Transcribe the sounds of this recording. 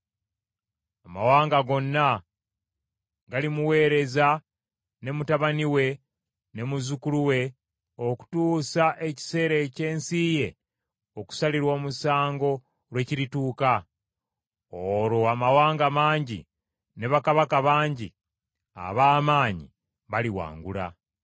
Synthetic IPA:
ama̰waːŋɡaɡo̞nːa | ɡalimuwe̞ːɾe̞za | ne̞mutaβaniwe̞ | ne̞muzukuluwe̞ | o̞ku̥tuːsaʔe̞ci̥se̞ːɾece̞ːnsiːje̞ | o̞ku̥saliɾwo̞ːmusaːŋɡo̞ | ɾwe̞ciɾituːka | oɾo̞amawaːŋɡamaːɲɟḭ | ne̞βakaβakaβaːɲɟḭ | a̰βaːmaːɲḭ | βaliwa̰ːŋɡṵla̰

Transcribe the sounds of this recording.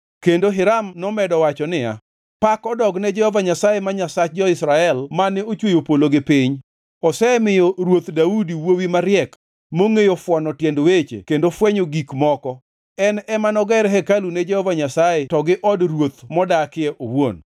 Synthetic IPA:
kendoɦɪɾamnɔmɛdɔwat͡ʃɔnɪja̰ | pakɔdɔɡnɛd͡ʒɛhɔvaɲasajemaɲasat͡ʃd͡ʒɔɪsɾaɛlmanɛot͡ʃwojopoloɡɪpɪɲ | ɔsɛmɪjoɾwot̪daudiwowimaɾjɛk | moŋejofwɔnɔtjendwet͡ʃḛkendofwɛɲoɡikmɔkɔ | ɛnɛmanɔɡɛɾɦɛkalunɛd͡ʒɛhɔvaɲasajetɔɡɪʔɔdrwot̪mɔdakɪɛʔo̰wo̰n

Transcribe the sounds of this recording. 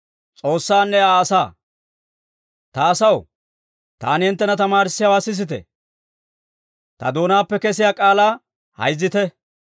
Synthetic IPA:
t͡sʼo̞ːsːaːnːɛaːsaː | t̪ɐːsɐw | t̪a̰ːnɪhɪnt̪ːɛnɐt̪ɐmaːɾsːɪjɐwaːsɪs̬ɪt̪ɛ̰ | t̪ɐ̰d̪o̞ːnaːpːɛkɛsɪjaːkʼaːlaː | hɐ̰jzːɪt̪ɛ

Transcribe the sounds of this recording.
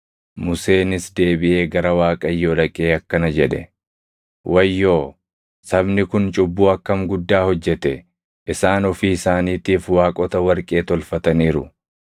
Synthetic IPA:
mʊse̞ːnɪsd̪e̞ːbɪʔe̞ːɡɐɾɐwaːkʼɐjːoːlɐkʼeːɐkːɐnɐd͡ʒɛᶑɛ̰ | wʔɐjːo̞ː | sɐbnɪkʊnt͡ʃʼʊbːuːɐkːɐmɡʊd̪ːaːhɔd͡ʒːɛt̪ɛ | ʔɪsaːnɔfiːɪsaːniːt̪iːfwaːkʼɔt̪ɐwɐɾkʼe̞ːt̪ɔlfɐt̪ɐniːɾʊ̰

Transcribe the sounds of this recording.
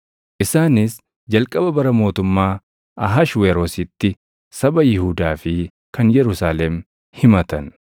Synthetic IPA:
ʔɪsaːnɪs | d͡ʒɐlkʼɐbɐbɐɾɐmo̞ːt̪ʊmːaː | ʔɐɦɐʃweːɾoːsɪt̪ːɪ | sɐbɐjɪhʊd̪aːfɪ | kɐnjɛɾʊsaːlɛm | hɪmɐt̪ɐn

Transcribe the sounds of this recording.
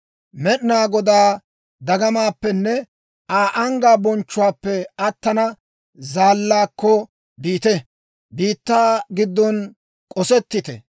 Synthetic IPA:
mɛɗnaːɡɔd̪aː | d̪ɐɡɐmaːpːɛnːɛ | ʔaːʔɐŋɡaːbɔnt͡ʃːʊwaːpːɛɐt̪ːɐnɐ | zaːlːaːkːɔ | biːt̪ɛ | biːt̪ːaːɡɪd̪ːɔn | kʼɔsɛt̪ːɪt̪ɛ̰

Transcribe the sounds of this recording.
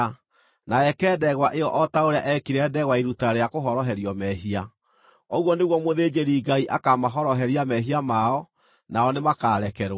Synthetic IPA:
naɛkɛːdɛɣwaʔeɔʔɔtaoɾea̰ʔɛkiɾɛdɛɣwaiɾutaɾejakoɦɔɾɔɦɛɾiɔmɛɦia | ɔɣwɔneɣwɔmoðeːd͡ʑeɾiːɡaiʔakamaɦɔɾɔɦɛɾiamɛɦiamaɔ | naɔnemakaɾɛkɛɾ

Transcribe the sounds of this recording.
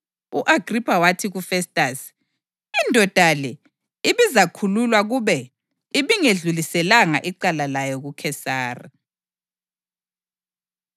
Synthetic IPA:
uʔaɡ̥ripʰawatʰiɣufɛstʼas | indʱɔd̥ʱalɛ | iβizakʰululwaɣuβɛ | iβiŋeɮulisɛlaŋaʔiǀalalajɔɣukʰɛsaːrḭ

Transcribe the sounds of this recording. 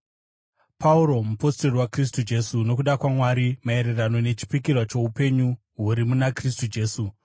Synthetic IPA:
pʰauɾo̞mupo̞sto̞riwakris̬tud͡ʒe̞suno̞kuɗakwamwaɾimae̞ɾerano̞ne̞t͡ʃi̥pikirwat͡ʃo̞upe̞ɲu | ɦuɾimunakristud͡ʒe̞ːsu

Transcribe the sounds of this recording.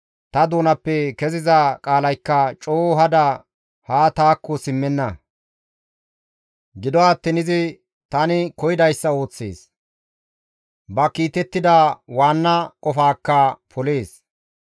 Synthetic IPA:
t̪ɐd̪oːnɐpːɛkɛzɪzɐkʼaːlɐjkːɐt͡ʃʼoːɦɐd̪ɐ | haːt̪aːkːɔsɪmːɛnːɐ | ɡɪd̪ɔat̪ːɪnɪzɪ | t̪ɐnɪkɔjɪd̪ɐjsːɐo̞ːt͡sːe̞̰ːs | bɐkiːt̪ɛt̪ːɪd̪ɐwaːnːɐkʼɔfaːkːɐpɔle̞ːs

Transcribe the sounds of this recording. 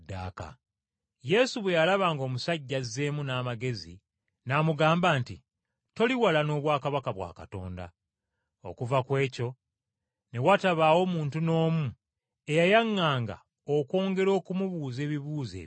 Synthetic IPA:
da̰ːka̰ | je̞suβwe̞jalaβaːŋɡo̞ːmusaɟːaze̞munaːmaɡe̞zḭ | namuɡaːmbaːnti | to̞liwalano̞ːβwaːkaβakaβwa̰ːka̰to̞̰ːnda̰ | o̞̰kuvakwe̞ːco̞ | ne̞wataβaːwo̞muːntuno̞ːmu | e̞jajaŋːaːŋɡa̰ | oko̞ːŋɡe̞ɾo̞ːkumuβuːze̞ːβiβuːzḛː

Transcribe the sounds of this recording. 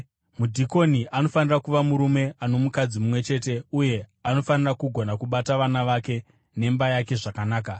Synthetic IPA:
mudʱiko̞niʔano̞fanirakuʋamuɾume̞ʔano̞mukad͡zimumwe̞t͡ʃe̞ːte̞uje̞ano̞fanirakuɡʱo̞nakuɓataʋanaʋake̞ | ne̞mbajake̞ʐakanaːk̬a

